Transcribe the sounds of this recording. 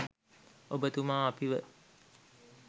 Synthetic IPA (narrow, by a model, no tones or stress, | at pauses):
obət̪umaːapiʋə